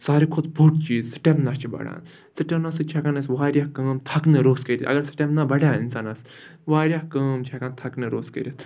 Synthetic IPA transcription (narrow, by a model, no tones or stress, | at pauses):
saːɾikʰud̪bʱuʈ̚t͡ʃiːzsɨ̥ʈʲemnast͡ʃʰibɐ̰ɽã̰ːn | sɨʈemnɐsɨt͡ʃʰɛkanɐsʋaːɾjahkɐːmt̪ʰɐknɨɾoːskɐɾit̪ɐ̰ɡɐɾsɨ̥ʈʲemnaːbɐɽãːḭnsaːnɐs | ʋaːɾjahkɐːmt͡ʃʰɛkant̪ʰɐknɨɾoːskɐ̰ɾʲit̪ʰ